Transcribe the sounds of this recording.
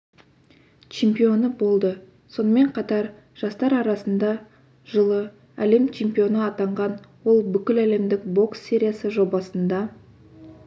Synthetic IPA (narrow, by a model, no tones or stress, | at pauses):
t͡ʃʰe̞mpijo̞nəbo̞lˠd̪ə | so̞nəme̞ɴqʰɑt̪ɑɾ | ʒ̥ɑst̪ɑɾɑɾɑsənd̪ɑ | ʒ̥əlˠə | æle̞mt͡ʃʰe̞mpijo̞nəɑt̪ɑɴʁɑnwo̞lˠbʏkʲɪlæle̞md̪ɪkbo̞ksːʲe̞ɾʲijasəʒo̞bɑsənd̪ɑ